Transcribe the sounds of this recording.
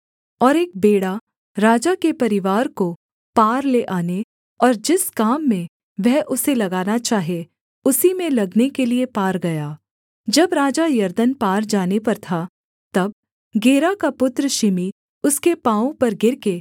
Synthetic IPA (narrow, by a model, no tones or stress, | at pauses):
ɔːɾeːk̚beːɽa | ɾaːd͡ʒakepɐɾɪʋaːɾko | paːɾleʔaːne | ɔːɾd͡ʒɪskaːmːẽ | ʋɛɦʔʊselɐɡaːnat͡ʃaːɦie | ʊsimẽlɐɡnekeliepaːɾɡɐjaː | d͡ʒɐbɾaːd͡ʒajɐɾd̪ənpaːɾd͡ʒaːnepɐɾt̪ʰa | t̪ɐb̚ | ɡeːɾakapʊt̪ɾəʃɪmi | ʊskepãːõpɐɾɡɪɾke